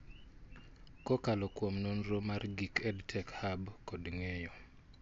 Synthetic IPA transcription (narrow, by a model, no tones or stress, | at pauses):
kɔkalɔkwomnonɾomarɡikɛdtʰɛkhabkɔdŋɛjɔ